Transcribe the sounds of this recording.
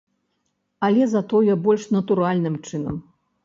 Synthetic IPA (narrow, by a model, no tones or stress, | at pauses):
ɐlʲɛzat̪ɔjɛbɔlʲʂnɐt̪uɾalʲnɨmt͡ʂɨnɐ̰m